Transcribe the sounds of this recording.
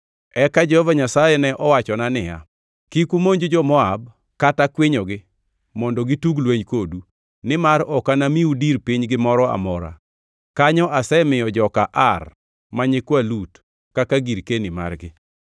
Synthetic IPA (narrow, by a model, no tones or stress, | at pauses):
ɛkad͡ʒɛhɔvaɲasajɛnɛʔɔwat͡ʃɔnanɪja̰ | kikumoɲd͡ʒod͡ʒɔmɔab | katakwɪɲɔɡɪ | mɔndɔɡituɡlweɲkodu | nɪmaɾɔkanamiudiɾpɪɲɡɪmɔɾɔa̰mɔɾa̰ | kaɲɔʔasɛmɪjɔd͡ʒɔkaʔar | maɲɪkwalut | kakaɡiɾkenima̰rɡɪ